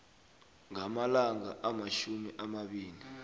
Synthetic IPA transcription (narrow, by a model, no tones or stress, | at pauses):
ŋamalaŋaʔamaʃumiʔamaɓiːli